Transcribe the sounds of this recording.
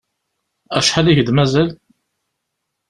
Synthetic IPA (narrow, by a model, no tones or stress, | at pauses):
æʃħaliçd̪mæzæl